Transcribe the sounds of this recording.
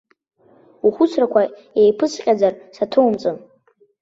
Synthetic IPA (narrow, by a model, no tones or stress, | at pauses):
uχʷʊt͡sʷʰrakʷʰa | ejpʰɨsqʲʼad͡zarsatʰowmt͡sʼɨn